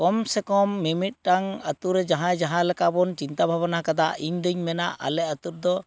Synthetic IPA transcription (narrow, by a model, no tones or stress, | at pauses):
kɔmsɛkɔmːimit̪̚ˀʈaŋat̪uɾɛd͡ʒaɦãd͡ʒaɦãlɛkabɔnt͡ʃint̪abʱabanakad̪aiɲd̪əɲmɛnaʔa̰lɛʔ̚at̪uɾd̪ɔ